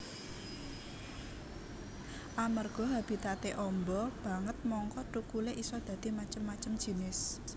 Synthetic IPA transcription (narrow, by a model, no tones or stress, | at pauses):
ʔamərɡ̥ɔ̤ɦab̥i̤t̪at̪eʔɔmbɔb̥ä̤ŋət̪̚mɔŋkɔʈukuleʔisɔd̪̥ä̤d̪̥i̤mat͡ʃəmːat͡ʃəmd̥ʒ̥i̤nɪs